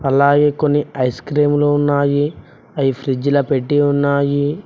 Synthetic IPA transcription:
ɐlaːɡeːkonːiɐjskɾiːmloːunːaːji | ɐjipʰɾid͡ʒilɐpe̞ʈːiunːaːji

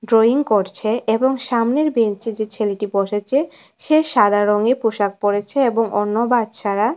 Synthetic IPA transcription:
ɖɾoiŋkoɾt͡ɕʰeeboŋʃamneɾbent͡ɕed͡ʑet͡ɕʰeleʈiboʃet͡ɕʰe | ʃeɾʃad̪ʱaɾoŋepuʃak̚poɽet͡ɕʰeeboŋʔo̰nːobad̪t͡ɕʰaɾa

